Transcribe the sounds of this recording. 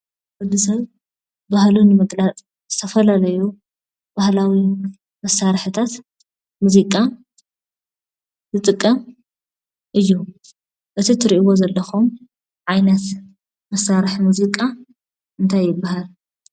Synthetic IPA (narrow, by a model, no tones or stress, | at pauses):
bɨd̪ɨsɐβ | bahlunɨmɨɡlat͡sʼ | zɨt̪ʰɐfɐlalɐju | bahlawi | mɐsːaɾħɨt̪ʰat̪ | muzikʼa | zɨt̪ʼɨkʼːɐm | ʔɨjːu | ʔɨt̪ʰit̪ʰɨɾiʔiwozɐlːɐxum | ʕajnɐt̪ | mɐsaɾɨħmuzikʼa | ʔɨnt̪ʰajːɪbːahal